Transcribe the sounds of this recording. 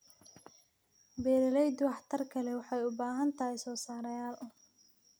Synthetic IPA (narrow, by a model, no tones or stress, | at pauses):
bɛːɾɐlɛjd̪ʊwɑħt̪ʰɐrkʰɐlɛwɑħɑjʊbaːɦɐnt̪ʰɐɦɛsɔːsaːɾɐjaːlʊ